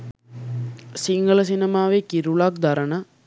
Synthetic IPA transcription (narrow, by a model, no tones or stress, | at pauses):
sɪŋɡɐɭɐsɪnɐmaːʋeːkɪɾʊɭaːk̚d̪ɐɾɐnɐ